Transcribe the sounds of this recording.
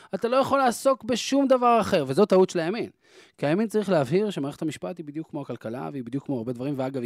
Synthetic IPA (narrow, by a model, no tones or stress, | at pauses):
atalo̞jaχo̞lːaːso̞kbe̞ʃumd̪avaʁaχe̞ʁvezo̞t̪autʃelajamin | kiajamint͡saʁiχleavɦiʁʃemaːʁeetamiʃpathibid̪jukːmo̞akalkala̰veibid̪jukːmo̞aʁbe̞d̪vaʁimveaɡav